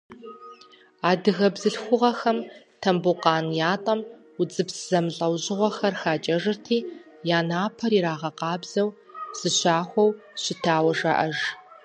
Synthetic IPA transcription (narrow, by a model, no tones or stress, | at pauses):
aːdɨɣɐbzɨɬxʷʊʁɐxɐm | tʰɐmbuqɑːnjaːtʼɐm | ʊd͡zɨbszɐmɬʼɐwʑɪʁʷɔxɐrxaːt͡ʃʼɐʐɨrtʰiː | jaːnaːpʰɐɾiɾaːʁɐqɑːbz̥ɐw | z̥ɨɕaːxʷɔw | ɕɪtʰaːwɐʒɐ̰ʔɐʒ